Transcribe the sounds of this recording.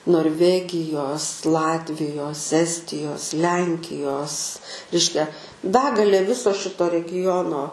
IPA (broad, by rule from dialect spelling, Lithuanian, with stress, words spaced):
noːrʲˈʋʲæːɡʲɪjoːs ˈlˠɑːtʲʋʲɪjoːs ˈæːsʲtʲɪjoːs ˈlʲɛŋʲkʲɪjoːs ˈrʲɛɪʃʲkʲɛ ˈbʲæːɡɐlʲeː ˈʋʲɪsoː ˈʃʲɪtoː rʲɛˈɡʲɪjoːnoː